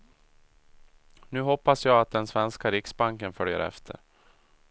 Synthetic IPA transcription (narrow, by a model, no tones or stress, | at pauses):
nʉ̟ːɦɔpːasjɑːɡat̪̚d̪ɛnsvɛnskaɾɪksbaŋkənfœljə̰ɾɛ̰ft̪ʰə̰ɾ